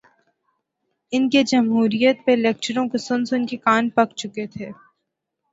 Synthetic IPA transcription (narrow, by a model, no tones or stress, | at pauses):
ɪnked͡ʒɐmɦuːɾijət̪̚peleːk̚t͡ʃəɾõkosʊnsʊnkekaːnpɐkt͡ʃʊket̪ʰeː